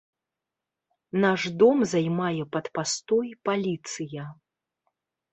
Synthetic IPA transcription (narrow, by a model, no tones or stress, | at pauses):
naʐd̪ɔmzajmajɛpɐt̪past̪ɔjpalʲit̪sɨjɐ